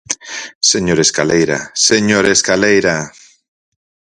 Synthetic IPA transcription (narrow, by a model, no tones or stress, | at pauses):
seɲoɾeskalejɾa̰seɲoɾeskalejɾa